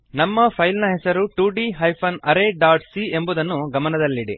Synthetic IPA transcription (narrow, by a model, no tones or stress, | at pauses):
nɐmːɐpʰɐjlnɐɦɛsɐɾuʈuːɖiɦɐjpʰɐnɐɾeɖaːɾʈsie̞mbud̪ɐnːuɡɐmɐnɐd̪ɐlːiɽḭ